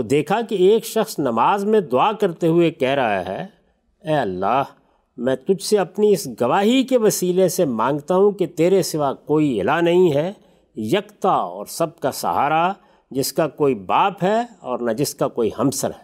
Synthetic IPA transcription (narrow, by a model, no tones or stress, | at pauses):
t̪od̪eːkʰakeeːkʃɐxsnɐmaːzmẽd̪ʊaːkɐɾt̪eɦʊekɛːɦɾɐɦa̰ɦɛ̰ː | ɛːɐlːaːh | mɛ̃ːt̪ʊd͡ʒʱseɐpniɪsɡɐʋaːɦikeʋɐsiːlesemãːŋɡt̪aɦũket̪eːɾesɪʋakoːiɪlanɐɦĩɦɛː | jɐkt̪aɔ̰ːɾsɐb̚kasɐ̰ɦa̰ːɾa | d͡ʒɪskakoːibaːpɦɛɔːɾnad͡ʒɪskakoːihɐ̃msə̰ɾɦɛː